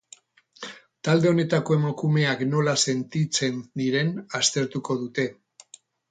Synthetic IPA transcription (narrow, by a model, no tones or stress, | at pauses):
t̪ald̪e̞o̞ne̞t̪ako̞e̞makume̞akno̞lase̞nt̪it͡se̞nd̪iɾe̞nast̪e̞ɾt̪uko̞ðut̪e̞